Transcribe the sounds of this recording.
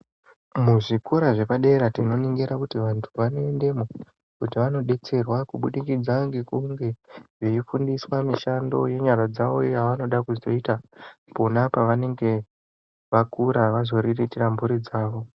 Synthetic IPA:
muʐikuɾaʐe̞paɗe̞ɾatino̞niŋɡeɾakutiʋantʰuʋano̞ende̞mo | kutiʋano̞ɗe̞t͡se̞rwakuɓuɗikid͡zaŋɡe̞kuŋɡe̞ʐejifundiswamiʃando̞je̞ɲarad͡zaʋo̞jaʋano̞ɗakuzto̞itaponapaʋane̞ŋɡe̞ | ʋakuɾaʋazo̞ɾiritirambuɾid͡zaːʋo̞

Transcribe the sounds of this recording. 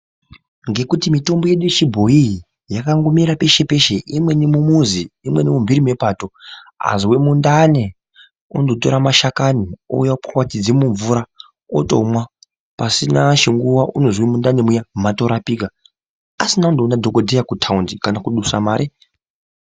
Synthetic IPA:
ŋɡe̞kutimito̞mbo̞je̞ɗujet͡ʃibʱo̞ii | jakaŋɡomiɾape̞ʃe̞pe̞ʃeʔimwe̞nemumuziːmwe̞nemumbiɾime̞pato̞a̰ziwemundane | ondo̞to̞ɾamaʃakanio̰japurwatid͡zemuɱvuɾa | oto̞̰mwa | pasinaʃiŋɡuwaʔunozwemundanemujamato̞ɾapiːka | asinaundounadʱo̞kodʱejakutʰaundikanakuɗusa̰maːɾʔi

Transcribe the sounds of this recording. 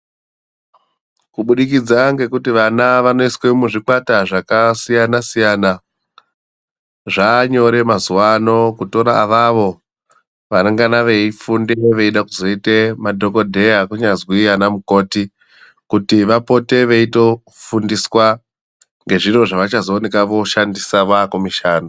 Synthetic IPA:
kuɓuɗikid͡zaŋɡe̞kutiʋanaʋano̞iswe̞muʐikwataʐakasijanasijana | ʐaɲo̞ɾe̞mazuwano̞kuto̞ɾaːʋaʋo̞ | ʋanaŋɡanaʋe̞ifundeeʋe̞iɗakuzo̞ite̞madʱo̞ko̞dʱe̞jakuɲazwianamuko̞ːti | kutiʋapo̞te̞ʋeito̞ | fundiswa | ŋɡe̞ʐiro̞ʐaʋat͡ʃazo̞ːne̞kaʋo̞ʃandisaʋakomiʃaːno

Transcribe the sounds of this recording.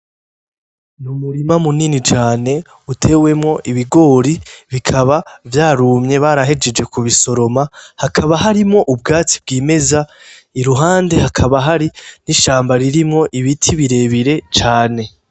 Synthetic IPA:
numuɾimamuninit͡ʃaːne̞ | utʰe̞ːwe̞mŋo̞ʔiβiɡo̞ɾiβikʰaβavjaːɾuːmɲe̞βaːɾaɦe̞d͡ʒe̞d͡ʒe̞kuβiso̞ɾo̞mahakʰaβaɦaɾimŋo̞ʔub̚ɡaːt͡si̥bɡiːme̞za | iɾuɦaːnde̞hakʰaβaɦaɾiniʃaːmbaɾiɾimŋo̞ʔiβitʰiβiɾe̞ːβiɾe̞t͡ʃaːne̞

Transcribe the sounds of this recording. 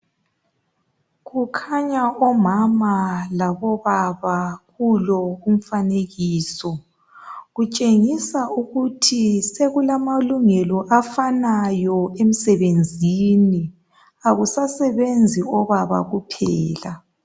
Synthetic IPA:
ɣukʰaɲaʔɔmamalaβɔβaβaɣulɔum̩faneɣiːsɔ | ɣut͡ʃʼeŋisauɣutʰiseɣulamaluŋɛlɔʔafanajɔem̩sɛβend͡zʱini | aɣusasɛβend͡zʱiɔβaβa̰ɣupʰɛːla

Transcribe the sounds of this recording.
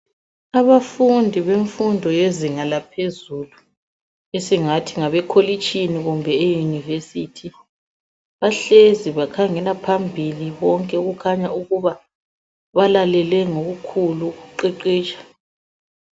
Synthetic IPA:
aβafundʱiβeɱfundʱɔjeziŋalapʰezulu | esiŋatʰiŋaβɛkʰolit͡ʃʼiniɣumbʱɛejunivesitʰi | βaɬeziβakʰaŋɛlapʰambʱiliβɔŋkʼɛuɣukʰaɲauɣuβa | βalalɛlwɛŋoɣukʰuluɣuǃɛǃiːt͡ʃʼḁ

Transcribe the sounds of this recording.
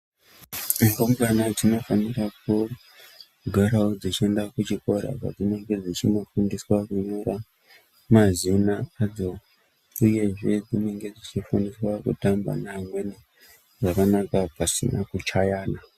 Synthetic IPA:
ŋɡombanad͡zino̞fanirak̚u | ɡʱaɾaod͡zit͡ʃie̞ndakut͡ʃiko̞ɾa̰pa̰d͡zine̞ŋɡe̞d͡zit͡ʃimo̞fundiswakuɲoɾa | mazinaad͡zo̞ | uje̞ʐe̞d͡zine̞ŋɡe̞d͡zit͡ʃifundiswakṵtamba̰namweni | ʐakanakapasḭna̰kut͡ʃajaːna

